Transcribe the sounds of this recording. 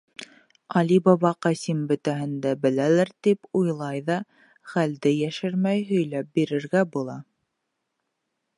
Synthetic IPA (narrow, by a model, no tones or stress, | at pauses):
ɑlibɑβɑqæsimbɵ̆t̪æhɘ̆nd̪æbɘ̆lælɘɾt̪ipujlˠɑjðɑ | χæld̪ɘjæʃɘɾmæjɦɵ̆jlæp̚biɾɘ̆ɾɡæbulˠɑ